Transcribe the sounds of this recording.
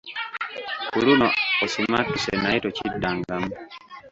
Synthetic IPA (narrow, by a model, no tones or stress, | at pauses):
kulunɔɔsumatːusɛnaitɔt͡ʃidaŋɡam